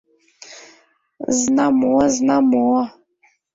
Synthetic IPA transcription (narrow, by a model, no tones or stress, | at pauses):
znamoɔznamowɔ